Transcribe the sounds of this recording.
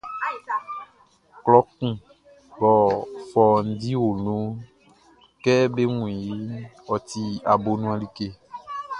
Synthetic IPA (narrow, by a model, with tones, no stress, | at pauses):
klɔ˦kũ˦˨ | bɔ˨fɔ˨n̩˦di˦wo˨nũ˦ | kɛ˦be˦ŋũ˨ĩ˨ji˦wɔ˨t̪i˦a˨bo˨nũ˦a˨li˦ke˦